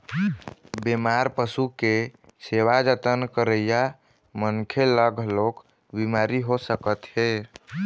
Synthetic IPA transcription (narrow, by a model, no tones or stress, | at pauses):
bemaɾpəsuke | sewad͡ʒət̪ənkəɾəja | mənkʰeləɡʱlok | bimaɾiɦosəkət̪ɦe